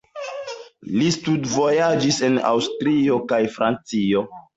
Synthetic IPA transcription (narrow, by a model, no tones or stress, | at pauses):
listudvo̞jad͡ʒisena̰wstɾio̞kajfɾant͡sio